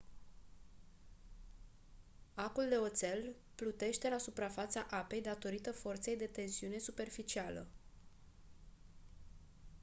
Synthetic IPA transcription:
akuld̪e̞o̞t̪se̞l | plut̪e̞ʃt̪e̞lasupɾafat̪saʔape̞jd̪at̪o̞ɾit̪əfo̞rt̪se̞jd̪e̞t̪e̞nsiune̞supe̞rfit͡ʃialə̰

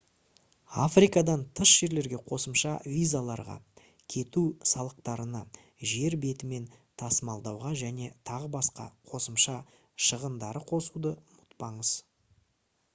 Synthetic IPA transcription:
afrijkɑd̪ɑnt̪ʰəʃʒ̥e̞ɾle̞ɾɡʲe̞qʰo̞səmʃɑvʲijzalˠɑɾʁɑ̰ | kʲʰe̞t̪usɑlˠəq̚t̪ɑɾənɑ | ʒe̞ɾbe̞t̪ɪme̞nt̪ʰɑsmɑlˠd̪ɑwʁɑʒæne̞t̪ʰɑʁəbɑsqɑ̰qʰo̞səmʃɑ | ʃəʁənd̪ɑɾəqʰo̞sud̪əmʊt̪pɑɴəz̥

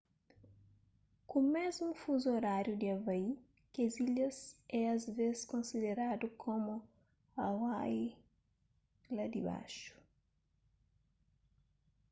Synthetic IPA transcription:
kũmɛzũfuzoɾaɾjud̪iɐvɐi | keziʎɐzɛɐzvezskõnsid̪eɾad̪ukʰomu | ɐwaj | lad̪iba̰ʃu̥

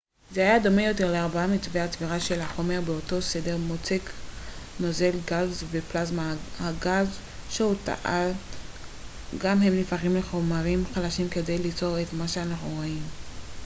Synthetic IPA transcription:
zehajad̪o̞mejo̞te̞ʁleaʁbaamit͡sveat͡sviʁaʃe̞lhaχo̞me̞ʁbeo̞to̞se̞de̞ʁmo̞t͡sek | no̞ze̞lɡalzveplazmahaɡalz | ʃeota̰ʔal | ɡamɦe̞mlifaχimleχo̞maʁimχalaʃimke̞dejlit͡so̞ʁetmaʃeanaχnuʁoim

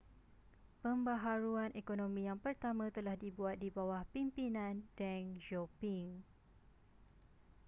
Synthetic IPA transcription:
pəmbaɦaɾuanʔekonõmĩjaŋpərt̪amãt̪əlahdibuat̪̚dibawahpimpinãndɛŋd͡ʒopiŋ

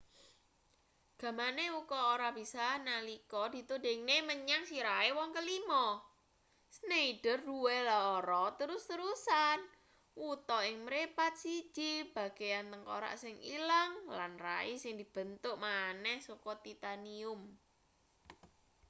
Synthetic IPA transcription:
ɡ̥a̤maneukɔoɾab̥i̤sanalikɔd̥i̤t̪ode̤ŋneməɲaŋsiɾaewɔŋkəlimɔ | sneiɖ̥ərduwelaoɾɔt̪əɾʊst̪əɾusan | wut̪ɔɪŋməɾepat̪̚si̥ʒ̥ib̥a̤ɡ̥e̤jant̪əŋko̰ɾa̰ʔsɪŋḭlaŋlanra̰isɪŋd̪̥i̤b̥ə̤nt̪ʊʔmanɛhsokɔt̪it̪aniʊm

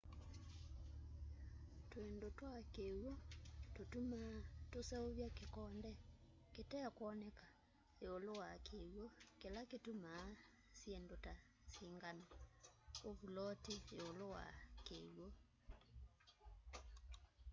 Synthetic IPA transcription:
twendotwakewototumatosɛoβjakekɔndɛ | ketɛakwɔnɛka | eolowakʰewɔkelaketuma | sjendota | siŋɡana | oβulɔtieolowa̰kewo

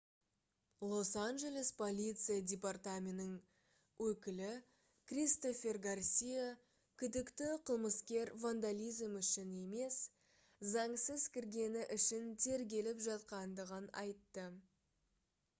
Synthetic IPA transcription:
lˠo̞sanʒe̞lʲe̞spʰo̞lʲijt̪sɨjadʲepart̪amʲenɪŋ | wʔɵkʲɪlɪ | krʲist̪o̞fʲe̞rɡarsʲija | kʲʰʏd̪ɪkt̪ɪqʰəlˠməskʲe̞ɾvand̪alʲijzmʏʃɪne̞me̞s | zɑɴsəzkʲʰɪɾɡʲe̞nɪʔʏʃɪnt̪ʰe̞ɾɡʲe̞lɪpʒɑt̪qɑnd̪əʁənɑ̰jt̪ːə

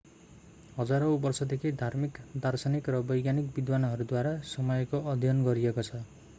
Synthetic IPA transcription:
ɦʌd͡zaɾobʌrsʌd̪ekʰid̪ʱarmikd̪arsanikrʌbʌjɡjanikbid̪wanɦʌɾud̪waɾasʌmʌjkoʌd̪ʱjʌnɡʌɾiekot͡sʰʌ

